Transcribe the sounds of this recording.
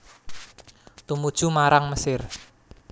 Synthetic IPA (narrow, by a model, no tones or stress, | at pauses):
t̪umud̥ʒ̥umaɾaŋməsɪr